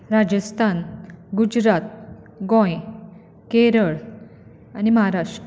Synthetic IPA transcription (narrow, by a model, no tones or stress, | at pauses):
ɾad͡ʑəst̪ʰanɡud͡ʑɾat̪̚ | ɡõj | keɾəɭ | animəɦaɾaʂ